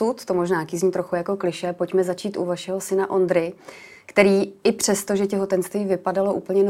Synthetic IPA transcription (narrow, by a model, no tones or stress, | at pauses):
ut̪t̪o̞mo̞ʒnaːkɪzɲiːt̪ɾoxujako̞klɪʃɛapo̞cmɛzat͡ʃiːt̪ʔṵvaʃɛɦo̞sɪnaʔo̞nd̪ɾɪ | kt̪ɛɾiːɪpr̝̥ɛst̪o̞ʒɛcɛɦo̞t̪ɛnst̪viːvɪpadalo̞ʔṵːpl̩ɲɛn